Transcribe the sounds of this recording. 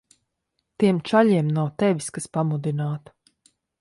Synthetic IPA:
t̪iɛmt͡ʃaʎiɛmnawt̪ɛʋʲiskaspamud̪inaːt̪

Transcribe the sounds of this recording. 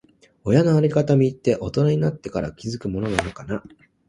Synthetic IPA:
o̞janoaɾʲikat̪amʲiːt̪ːe̞ʔo̞t̪o̞naɲ̟inat̪ːe̞kaɾa̰kʲizɨkɯ̟mo̞no̞nanakana

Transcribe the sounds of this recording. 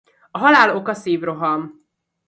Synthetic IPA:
ɒɦɒlaːlo̞kɒseːvro̞ɦɒm

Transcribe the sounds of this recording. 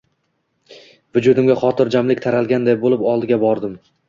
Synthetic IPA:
vʊd͡ʒʊd̪ɪmɡʲaχɒt̪ʰɪɾd͡ʒamlɪk̚ʲt̪ʰaɾalˠɡʲand̪ajbolˠɪpɒlˠd̪ɪɡʲabɒɾd̪ɪm

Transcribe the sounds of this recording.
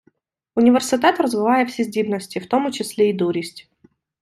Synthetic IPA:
ʊnʲɪvʲɪrsʲɪt̪at̪rəzvɨvajəfsʲɪzʲdʲivnəsʲtʲɪft̪o̞mt͡ɕɪsʲlʲeid̪uɾʲɪsʲtʲ

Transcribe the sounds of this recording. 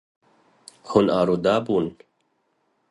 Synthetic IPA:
hunaːɾud̪aːbuːn

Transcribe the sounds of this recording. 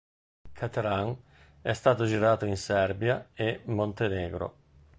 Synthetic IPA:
kʰat̪eɾaŋ | ɛst̪aːt̪od͡ʒiɾaːt̪oinsɛrbjaemːont̪eneːɡɾo̰

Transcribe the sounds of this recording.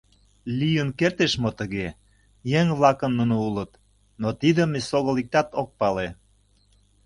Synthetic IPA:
lijənkert̪eʃmot̪əɣe | jeŋβlɑkə̆nːunoulət̪ | not̪id̪əmesoɣə̆lik̚t̪ɑt̪ok̚pɑle

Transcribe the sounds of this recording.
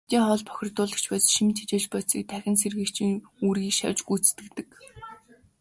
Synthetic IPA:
t̪iːŋχɔɮpʰɔ̥xʲɪ̆rt̪ʊːɮə̥̆kt͡ɕpæːsʃimt̪ʰe̥t͡ɕeːɮt͡ɕpœt͡sḭːk̚t̪ʰæxʲɪ̆nserɣɘ̆kt͡ɕʰiŋuɾiːkʃa̰wʲt͡ɕɡujt͡st̪ɘ̆kt̪ɘ̆k

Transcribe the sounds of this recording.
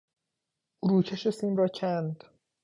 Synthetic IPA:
uɾuːcʰeʃesiːmrɒːcʰænd̪

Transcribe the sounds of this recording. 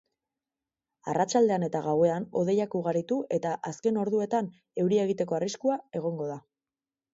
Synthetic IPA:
arat͡ʃald̪e̞ane̞t̪aɣawe̞ano̞ðe̞jakuɣ̞aɾit̪uʔe̞t̪aʔaske̞no̞ɾðue̞t̪an | e̞wɾie̞ɣ̞it̪e̞ko̞ariskuae̞ɣ̞o̞ŋɡo̞ða

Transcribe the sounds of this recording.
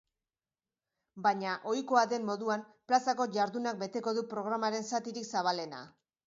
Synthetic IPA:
baɲaʔo̞jko̞aðe̞mːo̞ðuam | plasako̞ʝaɾðunak̚be̞t̪e̞ko̞ðupɾo̞ɣ̞ɾamaɾe̞nsat̪iɾiksaβ̞ale̞na̰

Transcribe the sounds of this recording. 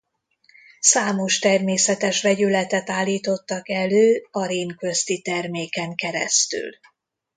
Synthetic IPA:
saːmo̞ʃt̪ɛrmeːsɛt̪ɛʃvɛɟylɛt̪ɛt̪aːlːiːt̪o̞t̪ːɒkɛløːɒɾeːŋkøst̪it̪ɛrmeːkɛŋkɛɾɛ̰st̪y̰l

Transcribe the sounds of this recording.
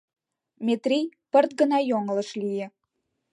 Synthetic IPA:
mʲet̪rʲijpərt̪̚ɡə̆nɑjoŋələ̆ʃlijĕ

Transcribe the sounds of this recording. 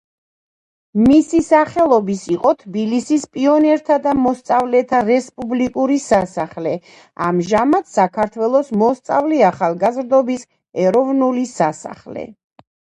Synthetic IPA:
misisaχɛlˠɔbisiqʼɔt̪ʰbilisispʼiɔnɛɾt̪ʰad̪amɔst̪sʼavlɛt̪ʰaɾɛspʼublikʼuɾisasaχlɛ | a̰mʒamat̪ʰsakʰaɾt̪ʰwɛlˠɔsmɔst̪sʼavlɛaχalˠɡazɾd̪ɔbis | ɛɾɔvnulisasa̰χlɛ̰

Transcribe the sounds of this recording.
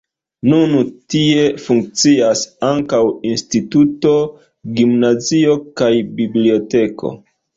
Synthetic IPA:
nunutie̞fuŋk̚t͡siasaŋkawinstituto̞ | ɡimnazio̞kajbiblio̞te̞ko̞̰

